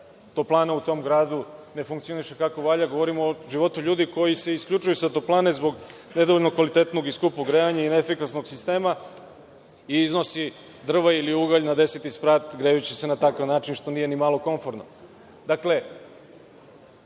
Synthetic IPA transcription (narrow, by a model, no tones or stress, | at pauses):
t̪oplˠaːnaut̪o̞mɡɾaːd̪une̞fuŋkt̪sio̞niʃe̞kako̞ʋaʎaɡo̞ʋo̞ɾimooʒiʋo̞t̪uʎuːd̪iko̞jise̞iskʎʲut͡ʃujusat̪oplˠaːnezbo̞ɡ | ne̞d̪ooʎnokʋalit̪e̞t̪no̞ɡiskupuɡɾeaɲainefikasno̞ɡsist̪e̞ːma | iːzno̞si | d̪r̩ʋailiuɡaʎnad̪e̞set̪ispɾaːt̪ɡɾejut͡ɕese̞nat̪akaʋnaːt͡ʃinʃt̪o̞nije̞nimalˠo̞ko̞ɱfo̞ɾno | d̪akle̞